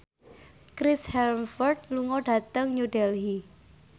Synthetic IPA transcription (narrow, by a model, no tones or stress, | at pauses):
kɾɪshɛlmfɔrt̪̚luŋɔɖ̥a̤t̪əŋɲudɛlɦi